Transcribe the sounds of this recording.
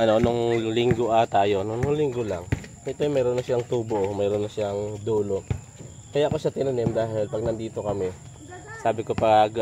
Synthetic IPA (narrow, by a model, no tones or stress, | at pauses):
ʔɐno̞nʊŋlɪŋɡoʔɐt̪aːjo̞nnʊŋlɪŋɡolaŋ | ɪt̪omɛːɾonːɐʃaŋt̪uːboʔmɛːɾonːɐʃaŋd̪uːlo̞ʔ | kɐjaʔɐko̞ʃat̪ɪnɐnɛmd̪aːɦɪlpɐɡ̚nɐnd̪iːt̪o̞kɐmɛ | saːbɪko̞pɐɡ